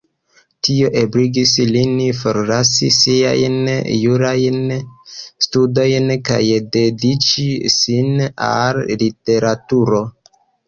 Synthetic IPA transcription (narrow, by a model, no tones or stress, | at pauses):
tio̞ʔebɾiɡislinifoɾlasḭsia̰jnjuɾajn | studo̞jnka̰jde̞dit͡ʃisina̰llite̞ɾatuɾo̞